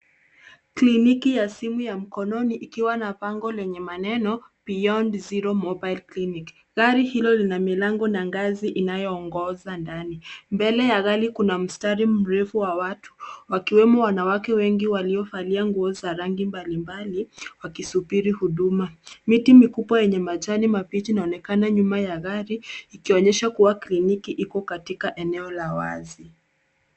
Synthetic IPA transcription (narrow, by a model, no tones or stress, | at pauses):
klinikijasimujam̩kɔnɔniʔikiwanapaŋɡɔlɛɲɛmanɛnɔpiɔndziɾɔmɔbajlklinik | ɣaɾihilɔlinamilaŋɡɔnaŋɡaziʔinajɔːŋɡɔzandanimbɛlɛjaɣalikunam̩staɾim̩ɾɛfuwawatʰu̥wakiwɛmɔwanawakɛwɛŋɡiwaliɔfaliaŋɡuɔzaɾaŋɡimbalimbaliwakisupiɾihuɗumamitimikupwajɛɲɛmat͡ʃanimapit͡ʃinaɔnɛkanaɲumajaɣaɾiːkiɔɲɛʃakuwaklinikiʔikɔkatikaʔɛnɛɔlawa̰zi